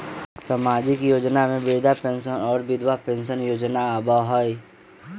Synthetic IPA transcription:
samaːd͡ʒɪkjoːd͡ʒnamẽʋeːd̪ʱapẽnʃənɔːɾbɪd̪ʱwapẽːnʃənjoːd͡ʒnaaːbaɦɔːi

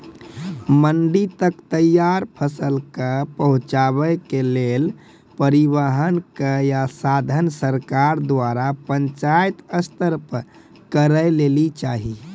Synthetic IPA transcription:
məɳɖit̪əkt̪əjaɾpʰəsəlkəpəɦũt͡ʃaβəkelel | pəɾibəɦənkəjasad̪ʱənsəɾkaɾd̪ʋaɾapəɲt͡ʃajt̪əst̪əɾpəɾ | kəɾəjlelit͡ʃaɦi

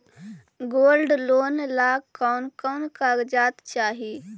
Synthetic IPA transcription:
ɡoːlɖloːnlaːkaʊnkənkaːɡd͡ʒaːt̪t͡ʃaːɦi

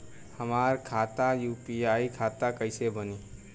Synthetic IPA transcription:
həmaːɾkʰaːt̪ajuːpiaːikʰaːt̪akəɪsebəniː

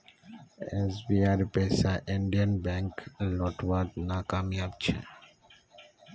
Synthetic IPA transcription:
ɛzʋiaɾɪpeːsaʔɪ̃ɳɖijə̃nbɛ̃ŋklɔːʈʋaɾt̪nakaːmjab̚t͡ʃʰḛ

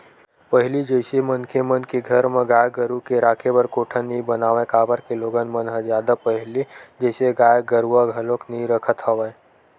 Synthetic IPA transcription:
pəɦɪlid͡ʒəɪsemənkemənkeɡʱəɾmẽɡaːjɡəɾukeɾaːkʰebəɾkoːʈʰənĩbənaːʋẽkaːbəɾkeloːɡənmənɦə̃zjaːd̪apəɦɪlid͡ʒəːseɡaːjɡəɾuaɡʱəloknĩɾəkʰət̪ɦəʋə

